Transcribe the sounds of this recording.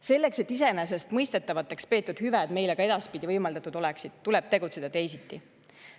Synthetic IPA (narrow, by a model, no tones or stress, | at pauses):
se̞lːe̞kse̞t̪ːˑis̬e̞nes̬est̪mɤjst̪e̞t̪ːˑɑvɑt̪ːˑe̞kspe̞ːt̪ːˑud̪̥hyvæd̪me̞jleɡ̥ɑe̞d̪̥ɑspid̪ivɤjmɑld̪ɑt̪ud̪̥o̞le̞ksid̪̥t̪ule̞b̥̚t̪e̞ɡut̪se̞d̥̪ɑt̪e̞jsit̪ːi